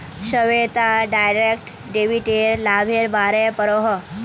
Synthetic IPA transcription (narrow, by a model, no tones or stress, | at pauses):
ɕəʋet̪aɖajɾek̚ʈ | ɖeʋiʈeɾlabʱeɾbaɾepəɾoɦə